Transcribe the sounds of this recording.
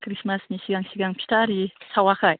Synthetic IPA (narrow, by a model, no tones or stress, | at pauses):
kʰɾismasɲiɕiɡaŋɕʰiɡaŋpʰi̥tʰaɾisʰawahaj